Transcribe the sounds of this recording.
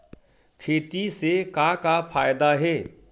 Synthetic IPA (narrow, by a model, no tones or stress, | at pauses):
kʰeːt̪isekakapʰaːjd̪aɦeː